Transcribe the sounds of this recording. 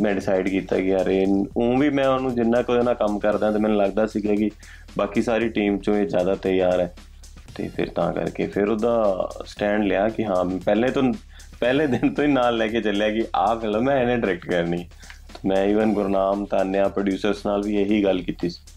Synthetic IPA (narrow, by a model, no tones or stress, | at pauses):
mɛ̃ːɖɪsaːɪɖkiːt̪a̰ːɡɪaːɾeːõːʋiːmɛ̃ːʊnũːd͡ʒɪnːãːkod̪eːnãːkəmkəɾd̪ãːt̪eːmɛ̃ːnũːləɡd̪aːsiːɡaːkɪ | baːkiːsaːɾiːʈiːmt͡ʃõːeːzjaːd̪aːt̪ɛjaːɾɛː | t̪ḛːpʰɪ̰ɾt̪ã̰ːkə̰ɾkḛːpʰɪɾoːd̪aːsʈɛ̃ːɳɖlɪaːkɪɦãːpɛːlẽːt̪oː | pɛːlẽːd̪ɪnt̪õːiːnaːlːɛːkeːt͡ʃəljaːkɪʔaːpʰɛːləmɛ̃ːɛnẽːɖɪɾɛk̚ʈkəɾnĩː | t̪oːmɛ̃ːiːʋənɡʊɾnaːmt̪aːnːejãːpɾəɖjuːsəɾsnaːlʋiːeɦiːɡəlkiːt̪iːsi̥ː